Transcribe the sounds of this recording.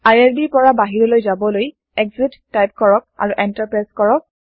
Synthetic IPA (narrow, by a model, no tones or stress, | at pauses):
ajɛɹdiɹpɔɹabaɦiɹɔlojzabɔloj | ɛɡzitːajp̚kɔɹɔk̚a̰ɹuʔɛntaɹpɹajskɔɹɔk̚